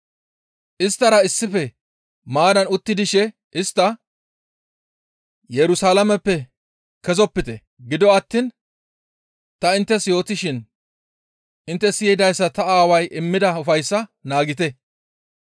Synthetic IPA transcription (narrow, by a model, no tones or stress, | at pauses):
ʔɪst̪ːɐɾɐɪsːɪfɛ | maːd̪ɐnʊt̪ːɪd̪ɪʃɛ | ʔɪst̪ːɐ | jɛɾʊsaːlɐmɛpːɛ | kɛzɔpːɪt̪ɛ | ɡɪd̪ɔɐt̪ːiːn | t̪ɐɪnt̪ːɛsjo̞ːt̪ɪʃɪn | ɪnt̪ːɛsɪjɪd̪ɐjsːɐt̪ɐaːwɐjʔɪmːɪd̪ɐʊfɐjsːɐnaːɡɪt̪ɛ